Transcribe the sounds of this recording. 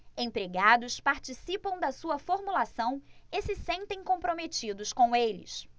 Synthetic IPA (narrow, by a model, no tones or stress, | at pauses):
ẽpɾeɡad̪ʊspaɾt͡ʃisipɐ̃w̃d̪ɐsuɐfoɾmulasɐ̃w̃ɪsɪsẽnt̪ẽj̃kõpɾomet͡ʃid̪ʊskõw̃elɪ̰s